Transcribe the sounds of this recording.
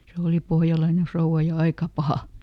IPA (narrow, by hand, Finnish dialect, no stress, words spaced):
se oˑli pohjɑlɑine frouw̆ɑ jɑ ɑikɑ pɑhɑ